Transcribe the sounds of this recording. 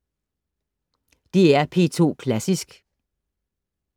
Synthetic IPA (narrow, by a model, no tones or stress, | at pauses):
d̥eæɐpʰe̝̰ːt͡sʰo̝̰ːkʰlæsisɡ̥